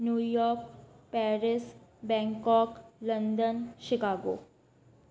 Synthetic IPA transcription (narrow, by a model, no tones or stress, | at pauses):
njuːjɔːɾkpɛːɾɪsbɛ̃ːŋkɔklənd̪ənʃɪkaːɡo̰ː